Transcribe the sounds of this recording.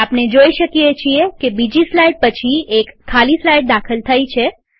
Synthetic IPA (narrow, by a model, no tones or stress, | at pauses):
apned͡ʒoiʃəkiet͡ʃʰiekebid͡ʒislajɖ̚pət͡ʃʰiekʰːalislajɖ̚d̪akʰəlt̪ʰəjt͡ʃʰe